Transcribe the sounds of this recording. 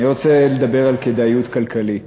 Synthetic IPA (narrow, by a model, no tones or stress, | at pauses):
iʁot͡seled̪abe̞ʁalked̪ajut̪kalkʰalit